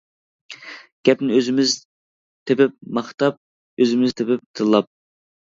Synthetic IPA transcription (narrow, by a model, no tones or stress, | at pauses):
ɡ̥ʲɛpnɪøzɪmɪz | t̪ʰepɪp̚mɑχt̪ɑp̚ | øzɪmɪzt̪ʰɪpɪp̚t̪ʰɨlˠːɑp̚